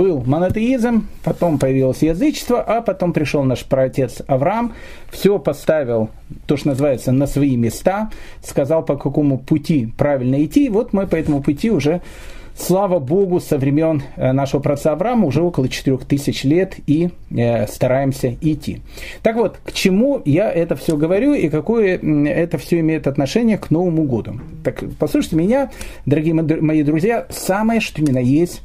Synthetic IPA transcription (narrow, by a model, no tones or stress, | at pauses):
b̥ɨlˠmənət̪əizmpɐt̪o̞mpəjɪvʲilˠəsʲjɪzɨt͡ɕɪ̥st̪vəʔɐpɐt̪o̞mpɾʲɪʂolˠnaʂpɾɐɐtʲe̞t̪sɐvɾam | fsʲo̞pɐst̪avʲɪlˠ | t̪oʂt̪onəzɨvajɪt̪sənəsvɐimʲɪst̪a | skɐzɑlˠpɐkɐko̞mʊpʊtʲipɾavʲɪlʲnəɪtʲːivo̞t̪mɨpɐɛt̪əmʊpʊtʲiʊʐɛ | slˠavəbo̞ɡʊsəvɾʲɪmʲe̞nnaʂəvəpɾɐt̪saɐvɾaməʊʐɛo̞kəlˠət͡ɕɪ̥t̪ɪɾʲo̞xt̪ɨsʲɪt͡ɕlʲe̞t̪i | st̪ɐɾajɪmsʲəɪtʲːḭ | t̪akvo̞t̪kt͡ɕɪmujaʔɛt̪əfsʲɵɡəvɐɾʲuikɐko̞jəɛt̪əfsʲɵɪmʲejɪt̪ɐt̪nɐʂɛnʲɪjəkno̞vəmʊɡo̞d̪ʊ | t̪akpɐslˠuʂɨtʲɪmʲɪnʲad̪əɾɐɡʲijəmɐid̪ɾʊzʲjasaməjəʂt̪oɪmʲɪnajesʲtʲ